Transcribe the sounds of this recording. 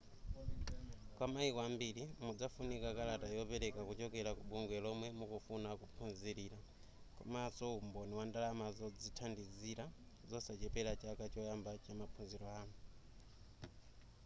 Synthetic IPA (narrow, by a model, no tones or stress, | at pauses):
kwamaikɔambiɾimud͡zafunikakalatajɔpɛɾɛkakut͡ʃɔkɛɾakuɓuŋɡwɛlɔmwɛmukufunakupʰunziɾiːɾa | kɔ̰masɔumbɔniwandalamazɔd͡zitʰandiziɾa | zɔsat͡ʃɛpɛlat͡ʃakat͡ʃɔjambat͡ʃamapʰunziɾɔaːnu